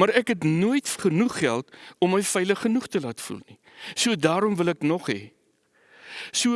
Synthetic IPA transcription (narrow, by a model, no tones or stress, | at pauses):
mɐɾækɦɛtnuəjtχənuχːæ̰lˠtɔmːəjfəjləχːənuχtəlaːtfṵlˠni | suədɑːɾɔmvəlɛknɔχɦɛ̰ | suə